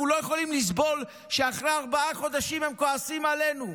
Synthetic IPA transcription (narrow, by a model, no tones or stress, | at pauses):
ulo̞jeχo̞limlis̬bo̞l | ʃeaχʁeaʁbaaχo̞d̪aʃimhe̞mko̞asimale̞nu